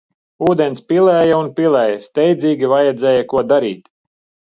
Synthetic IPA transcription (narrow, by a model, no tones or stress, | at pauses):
uːd̪ɛnspʲilˠɛːjɐunpʲilˠɛːjɐst̪ɛjd̪ziːɡʲivajɛd̪zɛːjɐkuɔd̪aɾḭːt̪